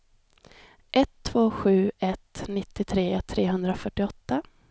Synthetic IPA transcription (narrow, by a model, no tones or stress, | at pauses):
ʔɛt̪ʰːvoːɧʉ̟ːɛt̪nɪt̪ːɪt̪ʰɾeːt̪ʰɾeːɦɵnd̪ɾafœʈːɪɔt̪ːa